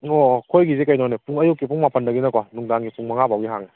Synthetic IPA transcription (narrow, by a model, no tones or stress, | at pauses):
okʰojɡizekajnɔnepuŋɐjukːipʰuŋmapəndɐɡinɐkanuŋdaŋɡipuŋmɐŋabʱawɡiɦaŋe